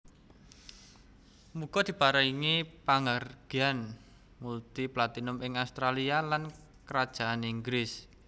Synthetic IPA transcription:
muɡ̥ɔd̪̥i̤paɾaiŋipaŋarɡ̥ian | mult̪iplat̪inʊmɪŋaust̪ɾalialan | kəɾad̥ʒ̥a̤aniŋɡɾɪs

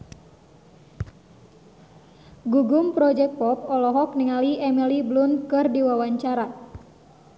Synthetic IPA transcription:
ɡuɡumpɾɔd͡ʒɛk̚pɔp̚ɔlɔɦɔk̚niŋaliʔɛmɛliblunkɨrdiwawaɲt͡ʃaɾa

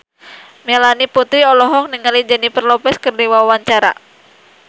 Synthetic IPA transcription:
mɛlaniput̪ɾiɔlɔɦɔk̚niŋalid͡ʒanipərlɔpɛskərdiwawaɲt͡ʃaɾa̰

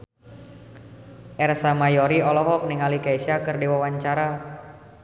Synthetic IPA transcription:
ʔɛrsamajɔɾiɔlɔɦɔk̚niŋalikaisakɨrdiwawaɲt͡ʃaɾa

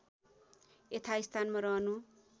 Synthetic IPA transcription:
et̪ʰaist̪ʰanmʌɾʌɦʌnu

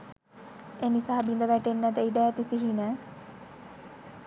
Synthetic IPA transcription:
enisaːbind̪əʋæʈenːət̪əiɖæːt̪isiɦinə

